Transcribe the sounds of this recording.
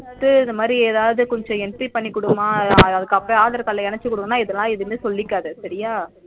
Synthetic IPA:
t̪ːɯɪnd̪ɐmaːd̪ɾieːðaːʋɐðɯkɔɲd͡ʒɔ̃ɛnʈɾipɐɳːikːʊɽɯmãːɐðɯkːɐpːɾõaːðɐɾt̪ɐlːɐɛnɛt͡ʃːɯkʊɽɯmɐnːaːɪðɐlãːɪðɯmeːsɔlːɪkːaːðɯsɐɾɪjaː

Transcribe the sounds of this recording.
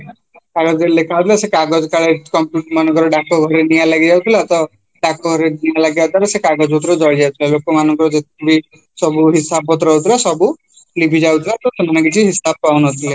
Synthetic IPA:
kaɡɔd͡ʒelekʰat̪ʰilasekaɡɔd͡ʒɔkaɭeʈkɔmpjuʈmanɔŋkɔɾɔɖakʰɔɡʱɔɾenijalaɡid͡ʒawt̪ʰileat̪ɔ | ɖakʰɔɡʱɔɾenijalaɡiat̪aɾesekaɡɔd͡ʒɔut̪ɾɔd͡ʒɔɭid͡ʒawt̪ʰilalokɔmanɔŋkɔɾɔd͡ʒet̪̚ʰe̥kʰibi | sɔbuɦisabɔt̪ɾɔwt̪ʰilasɔbu | libʱid͡ʒawt̪ʰilat̪ɔsemanɔ̃ŋkit͡ʃʰiɦisab̚pawnɔt̪ʰile

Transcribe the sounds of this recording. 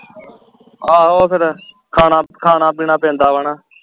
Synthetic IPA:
aːɦoːpʰɪɾ | kʰaːnaːkʰaːnaːpiːnaːpẽːnd̪aːʋaːnaː

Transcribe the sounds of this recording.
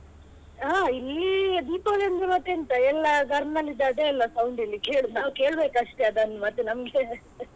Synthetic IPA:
ɦaːilːid̪iːpoːlend͡ʒemɐt̪ːeɐnt̪ɐɛlːɐɡɐɾmnɐlːid̪ːaːd̪eːlːɐsɐwuɳɖilːikeːɭunaːwke̞ːɭbeːkɐʂʈeɐd̪ɐnːmɐt̪ːenɐmɡe

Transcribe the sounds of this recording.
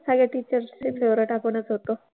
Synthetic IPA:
saɡjaʈiːt͡ɕəɾsepʰeʋɾeʈapəɳət͡sɦot̪o

